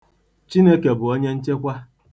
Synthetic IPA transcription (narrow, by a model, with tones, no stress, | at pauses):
t͡ʃi˦ne˦ke˨bʊ˨o˦ɲe˦n̩˦t͡ʃe˦kʷa˦